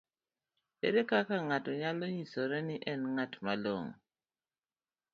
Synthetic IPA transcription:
ḛɾekakaŋatɔɲalɔɲisɔɾɛnɪʔɛnŋatmalo̰ŋ

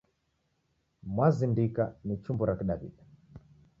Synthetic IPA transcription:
mwazindikanit͡ʃumbɔɾakiɗaβḭɗa

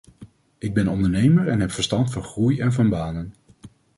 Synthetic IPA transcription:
ɪɡ̚bɛnɔndəɹnejməɹɛnɦɛpfəɹstɑntfɑnχrujɛnvɑnbaːnən

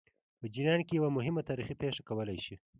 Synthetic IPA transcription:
pəd͡ʒinɑnkejawamʊɦɪmat̪ɑɾixipeʂakawəlajʃi

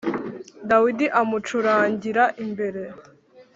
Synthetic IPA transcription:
dawidiʔamut͡ʃuɾaːɲɟiɾaʔimbe̞ɾe̞

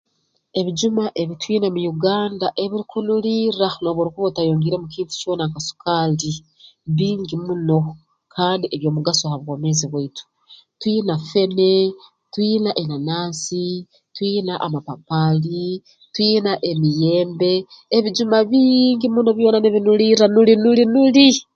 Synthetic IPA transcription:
e̞βid͡ʒumaʔe̞βitwiːnamujuɡaːndaʔe̞βiɾikunuliːɾano̞βuɾukuβotajoːŋɡiɾe̞mukiːntu̥t͡ʃo̞ːnaŋkasu̥kaːli | βiːŋɡimuno̞ | kʰaːndiʔeβjo̞ːmuɡasohaβwome̞ziβwaitu̥ | twinafe̞ne̞ | twinaʔenanaːsi | twinaʔamapapali | twinaʔemije̞ːmbe̞ːβid͡ʒumaβiŋɡimuːnoβjo̞ːnaneβinuliɾanulinulinuli

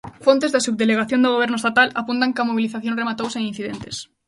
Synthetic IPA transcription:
font̪ezðasub̚d̪eleɣaθjond̪oɣ̞oβ̞eɾnʊest̪at̪alapunt̪aŋkamoβ̞iliθaθjõnremat̪owseŋin̟θiðent̪e̥s

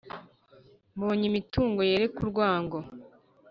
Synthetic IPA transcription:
mboːɲimituːŋɡo̞jeɾe̞kuɾɡwaːŋɡo

